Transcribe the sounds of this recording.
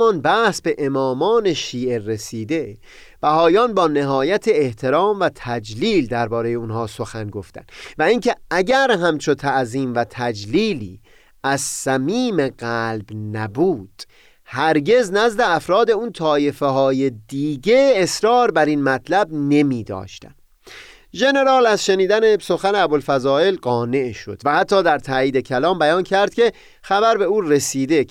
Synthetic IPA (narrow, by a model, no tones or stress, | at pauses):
ɒnbæhsbe̞ʔemɒːmɒːne̞ʃiːʔe̞re̞siːd̪e̞ | b̥æɦɒːjɒːnbɒːne̞ɦɒːjæt̪ʰe̞ːht̪ʰe̞ɾɒːmvæt̪ʰæd͡ʒliːld̪æɾbɒːɾe̞je̞unhɒːso̞xænɡo̞ft̪æ̰nvæiŋcʰe̞æɟæɾɦæmt͡ʃʰo̞t̪ʰæʔziːmvæt̪ʰæd͡ʒliːliː | æzsæmiːme̞ɣælbnæbuːd̪̥ | hæɾɟe̞znæzd̪e̞æfɾɒːd̪e̞unt̪ʰɒːje̞feɦɒːje̞d̪iːɟe̞ːsɾɒːɾbæɾinmæt̪ʰlæbne̞miːd̪ɒ̰ːʃt̪æ̰m | ʒe̞ne̞ɾɒːlæzʃe̞niːd̪æne̞so̞xæneæbolfæzɒːe̞lɢɒːne̞ʔʃo̞̰d̪væhæt̪ʰːɒːd̪æɾt̪ʰæːiːd̪e̞cʰælɒːmbæjɒːncʰæɾd̪̥̚cʲʰe̞ | xæbæɾbe̞uːre̞siːd̪e̞